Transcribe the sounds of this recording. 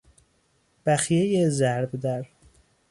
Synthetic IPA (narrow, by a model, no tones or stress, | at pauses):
b̥æxjejezæɾɾbd̪æɾ